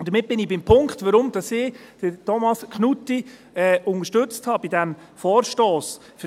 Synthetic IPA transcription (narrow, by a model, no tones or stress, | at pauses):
d̥əɾmɪt̚b̥ɪnɪbɪmpʰʊŋktʋəɾʊmd̥ɑsɪːd̥əɾtʰɔmɑskχnuti | ɛʊŋəɾʃtɵt͡sthɑːb̥idæm | fɔːɾʃtoːs | f